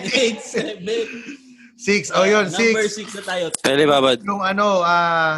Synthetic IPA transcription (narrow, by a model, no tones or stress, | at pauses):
k | siksojonsiksiksɐt̪aːjopɛlɐbaːbad̪̚jʊŋɐno̞aː